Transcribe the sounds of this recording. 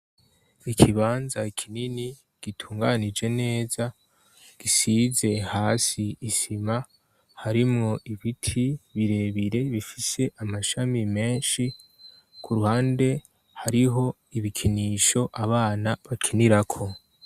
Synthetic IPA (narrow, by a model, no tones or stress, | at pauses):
ikʰiβaːnzaikʰinini | ɡ̥itʰuːŋɡanid͡ʒe̞ne̞ːza | ɡ̥isize̞haːsiːsima | haɾimŋo̞ʔiβitʰiβiɾe̞βiɾe̞βifise̞ʔamaʃamime̞ːnʃi | kʰuɾuhaːnde̞ | haɾiɦo̞ | iβikʰiniːʃo̞ʔaβaːnaβakʰiniɾakʰo̞